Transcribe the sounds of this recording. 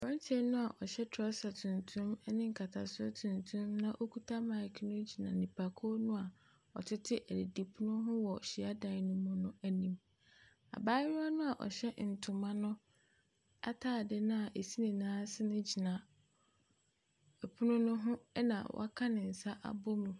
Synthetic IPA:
ɔ̃˦n˦tʰɛ˦nʊ̃˦a˨ʔɔ˨ɕɛ˦tʰɾɔ˦sa˨tʰũ˨ntʰũ˦m˦nɪ̃˦ŋ̩˨kʰa˨tʰa̰˨sʊ˦o̰˦tʰũ˨ntʰũ˦mnã˦ʔo˦kʰu˦tʰa˦mã˨kʰnʊ̃˦d͡ʑi˨nã̰˨nĩ˨pʰa˨kʰɔ˦nʊ̃˦a˨ | ɔ̰˨tʰɪ˦tʰɪ˦ʔæ˨de˨di˨pʰu˦nʊ̃˦ɦʊ̃˦wɔ˨ɕi˨a˦dã˨˦nʊ̃˦mʊ̃˦nʊ̃˦æ˦nĩ˨m | a̰˨baː˦a˦nʊ̃˦a˨ʔɔ̰˨ɕɛ˦n̩˨tʰʊ̃˨mã˦nʊ̃˦ | a̰˦tʰaː˦˨dɪ˦nʊ̃˦a˨ʔe˨si˦nĩ˨nãː˦sɪ˦nʊ̃˦d͡ʑi˨nã˨ | ɛ˨pʰu˦nʊ̃˦nʊ̃˦ɦʊ̃˦nã̰˨wʔa˦kʰã˦nɪ̃˨n̩˨sa˦ʔa̰˨bɔ˦mũ˨

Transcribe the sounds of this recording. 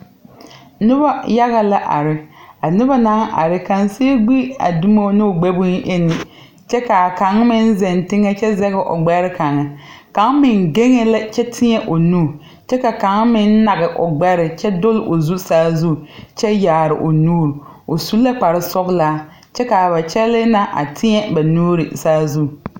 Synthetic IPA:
nɪ˦ba˦ja˦ɣa˨la˦ʔa̰˨ɾɪ˨a˨nɪ˦ba˦na˦ŋʔa̰˨ɾɪ˨ka˨ŋse˦e˦ɡ͡bi˦a̰˨du˦mo˦nɪ˦o˨ɡ͡bɛ˦bʊ˦ŋ˦ʔe˦nɪ˨ | t͡ʃɛ˦ka˨ka˨˦ŋmɪ˦n˦zɛ˨ntɪ˦ŋɛ˦t͡ʃɛ˦zɛ˦ɣɪ˨ʔo̰˨ɡ͡bɛ˦ɾɪ˦ka˨ŋɛ˨ka˨˦ŋmɪ˨ŋɡe˦ŋe˦la˦t͡ʃɛ˦tʰɪ˦ɲɛ˦ʔo˨nuː˦˨ | t͡ʃɛ˦ka˨ka˨˦ŋmɪ˦nː˦a˨ɣɪ˨ʔʊ̰˨ɡ͡bɛ˦ɾɪ˨t͡ʃɛ˦dʊ˦lʔo˨zu˦saː˦zu˦˨t͡ʃɛ˦jaː˨ɾɪ̰˨ʔo˨nuː˦ɾo˨su˦lːa˦k͡pa˨ɾɪ˦sɔ˦ɣlaː˦ | t͡ʃɛ˦ka˨βa˨t͡ʃɛ˦lɪ˦na˦ʔa̰˨tʰɪ˦ɲɛ˦ba˨nuː˦ɾɪ˨saː˦zu˦˨

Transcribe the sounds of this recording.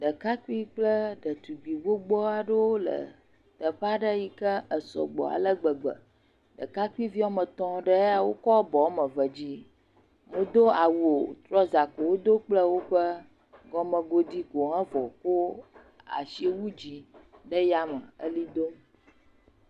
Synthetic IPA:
ɖə˨ka˦ki˦k͡plə˦ɖə˨t̪u˨ɡ͡bi˨ɡ͡bo˦ɡ͡bɔ˦a˨ɖə˦wo˦lə̰˨ | t̪ə˨ɸa˦ɖə˦ji˦kə˦ə˨sɔ̰˨ɡ͡bɔ̰˨a̰˨lə˦ɡ͡bə˨ɡ͡bə̰˨ | ɖə̰˨ka˦ku˦i˦vi˦a˦mə̃˨t̪ɔ̃˦ɖə˦a˨wo˦kɔ˦bɔ˨˦mə̃˨və˨d͡ʑi˦ | mũ˨d̪o˦a˨wu˨o˨t̪ɾɔ˦za˨ko˨wo˦d̪o˦k͡plə˦wo˦ɸə˦ | ɡɔ˦mə̃˨ɡo˦d̪i˦ɡo˨ɦã˦vɔ˨ko˦ | a̰˨ʃi˦e˦wu˦d͡ʑi˦ɖə˦ja˦mə˨ə̰˦li˦d̪o˦

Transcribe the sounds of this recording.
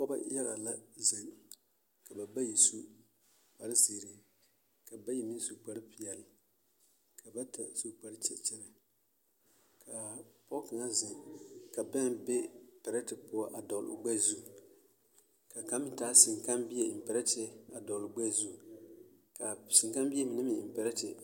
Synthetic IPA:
kɔ˦ba̰˦jɛ˦la̰˨la˦zɪ˨ŋ | ka˨ba˨ba˦ji˨su˦ | k͡pa˨ɾɪ˦zi˨ɾi˨ | ka˨ba˦ji˨mi˦su˦k͡pa˦ɾɪ˦pi˨jɛ˨lɪ˨ | kʰa˨ba˦tʰa˨su˦k͡pa˦ɾɪ˦t͡ʃɛ̰˨t͡ʃɛ˦na˨ | kʰa˨pɔ˦ka˨ŋa˦zɪ˨ka˨bɛ˦ŋbɛ˦pɛ˨ɾa˦tɪ˨pʊ˦a˦ʔa˨dɔ˨l̰ʊ˨ɡ͡bɛ˦zu˦˨ | ka˨ka˦mɪ˦taː˨˦sɪ˨ŋka˦mbi˦ɛ˦˨m̩˨pɛ˨ɾa˦tɪ˦a˨dɔ˨lʊ˨ɡ͡bɛ˦˨zu˦˨ | ka˨sɪ˨ŋka˦mbi˦ɛ˦mɪ˨nɨ˦mɪ˨m̩˨pɛ˨ɾɛ˦tɪ̰˨

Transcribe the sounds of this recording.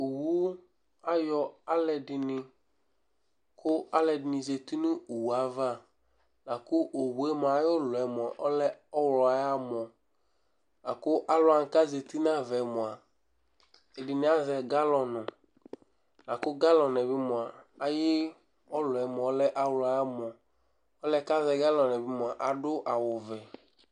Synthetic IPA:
o˨wu˦ | a˦jɔ˨a˦lɛ˨ɖɪ˨nɪ̃˨ | kʰʊ˦a˦lɛ˨ɖɪ˨nĩ˨ze˨t̪i˦nũ˦u˨wu˨a˨va˦ | la˨kʊ˦ʔo˨wu˨e˦mã˨˦jo˦lɔ˨ɛ˨mɔ̃˨ʔɔ˦lɛ˦ɔ˦wlɔ˨a˨ja˦mɔ̃˨ | la̰˨kʊ˦ʔa˦lʊ˦a˨ŋ̩˨ka˦ze˨t̪i˦nã˦vɛ˨mɔ̃˨a˨ | e˨ɖɪ˨nɛ˦a˦zɛ˨ɡa˦lɔ˨nɔ̃˨ | la˨kʊ˦ɡa˦lɔ˨nɛ˨bɪ˦mɔ˨a˨a˨jɪ˦ | ɔ˦lʊ˨ɛ˨mɔ̃˨ɔ˦lɛ˦ʔa˦wlɔ˨a˨ja˦mɔ̃˨ | ɔ˦lɛ˦ka˦zɛ˨ɡa˦lɔ˨nɛ˨bɪ˦mɔ̃˨a˨ʔa˨ɖʊ˦ʔa˨wʊ˨vɛ˨

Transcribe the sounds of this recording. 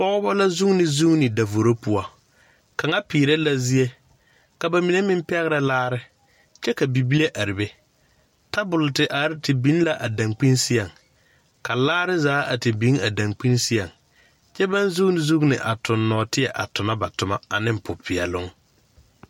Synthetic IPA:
pɔ˦ɣɔ˦bɔ˦la˦zu˦ŋnɪ˨zu˦ŋnɪ˨da˨vo˨ɾo˦pʊ˨a˨ | ka˨ŋa˦piː˨ɾe˦la˦zi˦e˦ | ka˨ba˨mi˨ne˦mɪ˦m˦pɛ˦ɣɪ˦ɾa˨laː˦ɾɪ˦ | t͡ʃɛ˦ka˨bi˨bi˦le˦ʔa˨ɾɪ˨be˦ | ta˦bʊ˨ltɪ˨ʔa˨ɾɪ˦tɪ˨bi˦n˦la˦ʔa˨da˨ŋk͡pi˦nsɪ˦a˨ŋ | ka˨laː˦ɾɪ˦zaː˨˦a˨tɪ˨bi˦ŋa˨da˨ŋk͡pi˦nsɪ˦a˨ŋ | t͡ʃɛ˦ba˦nzu˦nɪ˨zu˦knɪ˨ʔa˨tʊ˨nːɔː˨tɪ˦ɛ˨ʔa̰˨tʊ˨ma˦ba˨tʊ˨ma̰˦a˨nɪ˦m˨pʊ˨pʰɪ˨ɛ̰˨lʊ˦ŋ

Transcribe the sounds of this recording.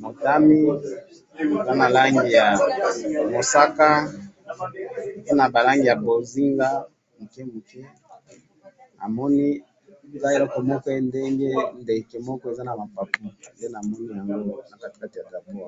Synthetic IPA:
mo˨ta˦mi˦ | e˨za˦na˨la˦ŋɡi˨ja˨ | mo˨sa˦ka˦˨ | ze˦na˨ba˨la˦ŋɡi˨ja˨bo˨zi˦ŋɡa˦ | mu˨kɛ˦mu˨kɛ˦ | a̰˨mɔ˦ni˦˨ | za˦e˨lo˦ko˨mɔ˦kɔ˦e˦nde˦ŋɡe˦nde˨ke˨mɔ˦kɔ˦e˨za˦na˨ma˨pa˨pu˦je˦na˨mɔ˦ni˦ja˨ŋɡo˦na˨ka˦ti̥˨ka˦ti˨ja˨ta˨bu˦a˨

